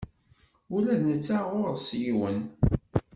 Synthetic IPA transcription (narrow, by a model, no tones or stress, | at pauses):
ʊlæðnət͡sːaʁoɾˤsjiwən